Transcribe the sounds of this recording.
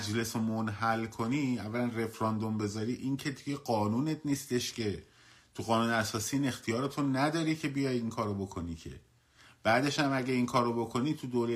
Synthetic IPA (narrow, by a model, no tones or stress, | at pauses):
d͡ʒle̞somonɦælkʰo̞niːævːælænre̞fɾɒnd̪o̞mbe̞zɒɾiːʔiŋcʰe̞d̪iɟeɢɒːnuːne̞t̪niːst̪e̞ʃcʰe̞ | t̪ʰuɣɒːnuːneæsɒːsiːiːne̞xt̪ʰijɒːɾet̪ʰonæd̪ɒːɾiːcʰe̞bijɒjiŋkʰɒːɾobo̞kʰo̞nicʰe̞̰ | b̥æːd̪e̞ʃæmæɟæiŋkʰɒːɾobo̞kʰo̞niːt̪ʰud̪oːɾe